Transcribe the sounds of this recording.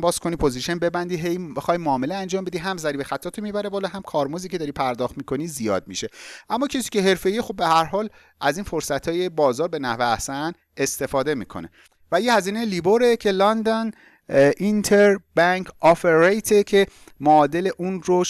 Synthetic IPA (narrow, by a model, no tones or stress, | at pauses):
bɒːz̥kʰo̞niːpʰo̞ziʃenbe̞bænd̪iɦejexɒːjmoːme̞leænd͡ʒɒːmbe̞d̪iːɦæmzæɾibe̞xæt̪ʰːɒːt̪ʰomibæɾebɒːlɔɦæmkʰɒːɾmoziːcʰe̞d̪ɒɾiːpʰæɾd̪ɒːxt̪miːkʰo̞niːzijɒ̰ːd̪̚miʃe̞ʔæmːɒːcʰesiːce̞ɦe̞ɾfe̞jiexob̚ːehæɾɦɒːl | ʔæziːnfo̞ɾsæt̪ʰːɒːje̞bɒːzɒːɾbe̞næhveæ̰sæn | est̪e̞fɒːd̪e̞mḭːkʰo̰ne̞̰ | væjehæziːnejeliːboɾe̞cʰe̞lɒnd̪ɒn | ʔint̪ʰeɾbæŋkʰɒpʰeɾejt̪ʰecʰe̞moɒːd̪e̞le̞ʔunɾo